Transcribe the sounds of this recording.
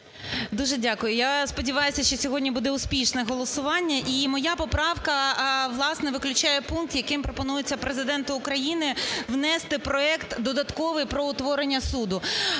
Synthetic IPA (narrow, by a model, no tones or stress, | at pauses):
d̪uʒɛdʲakʊjʊjaspɔdʲiʋɑjʊsʲɐʃt͡ʃɔsʲɔɦɔdʲnʲibud̪ɛʊsʲpʲiʃnɛɦɔlˠɔsʊʋɑnʲːɐʔimɔjapɔpɾɑʋkɐʋlˠɑsnɛʋɪklʲʊt͡ʃajɛpunk̚t̪jɐkɪmpɾɔpɔnujet͡sʲːɐpɾezɪd̪ɛnt̪ʊːkɾɐjinɪʋnɛst̪ɪpɾɔɛkt̪d̪ɔd̪ɐt̪kɔʋɪjpɾɔʊt̪ʋɔɾenʲːɐsud̪ʊ